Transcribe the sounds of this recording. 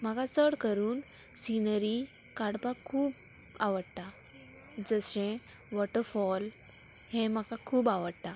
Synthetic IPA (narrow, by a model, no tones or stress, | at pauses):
m̤aɡat͡səɽkəɾuːn | sinəɾi | kaɽpakʰuːp | aʋəɽt̪a | d͡zəsẽ | ʋɔʈəɾfɔl | hẽmakakʰuːbaʋəɽt̪a